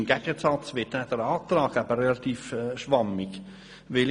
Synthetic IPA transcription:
mɡ̥ɛɡ̥əsɑt͡svɪtnɛd̥əɾɑːt̪ɾɑːɡæbərɛlɑt̪iːfʃʋɑmɪɡ | ʋɪl

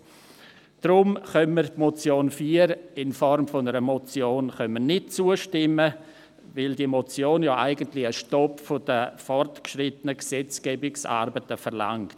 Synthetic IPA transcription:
d̥ɾʊmχœmːərtmɔt͡sjoːnfiːəɾɪnfɔɾmfʊnəɾəmɔt͡sjoːnχœnmənɪt̚t͡suːəʃtɪmə | vɪldiəmɔt͡sjoːnjɑːʔaɪɡəntlɪəʃtɔpfʊd̥əfɔrtkʃrɪtənəksɛt͡sɡ̥ɛːbɪksa̰ɾbətəfɛrla̰ŋkt

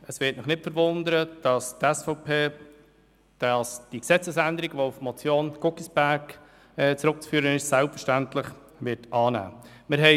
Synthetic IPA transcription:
əsʋɪːtnɪχnɪtfəɾvʊndəɾəd̥ɑstɛsfɔʊpʰeː | d̥ɑsd̥iksɛt͡səsændəɾiɡʋoufmɔt͡sjoːnɡ̥ʊkisb̥æɾk | ɛːt͡sɾʊk̚t͡sfyːɾənɪʃsælpfəɾʃtæntlɪχ | vɪɾtɑːnæ̰ː | mɪɾɦɛ

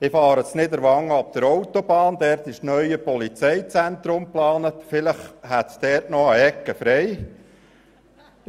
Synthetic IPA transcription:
ɪfɑːɾəsnɪdəɾʋɑŋːɑp̚d̪̥əɾɔwt̪obɑːnd̪ɛɾt̪ɪʃnœʏəpɔlit͡sɛjt͡sænt̪ɾʊmplɑːnətfɪləχhæt̪sd̥̪ɛːɾtnɔəɛkːəfɾɛj

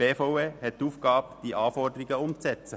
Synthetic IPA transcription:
eːfoʊeːhɛt̚tuːfɡ̥ɑːbd̥iːʔɑːfɔʁdəʁɪɡəʊmtt͡sɛt͡sə

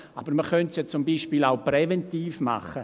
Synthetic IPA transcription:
ab̥əɾməχœntsjɔt͡sʊmbiːʃpiːlawpɾɛvɛntiːfma̰χə

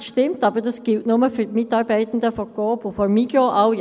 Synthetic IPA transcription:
ʃtɪmtɑːbədɑsɡ̥ɪltnʊmɐfyːmɪtɑːʁbæɪtn̩dəfɔɡ̥oːbofɔmiɡjoʔaʊ

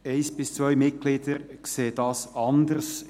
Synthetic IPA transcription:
eɪsb̥ɪst͡svœʏmɪt̚ɡ̥liːdəɾkseːd̥ɑsɑndərs

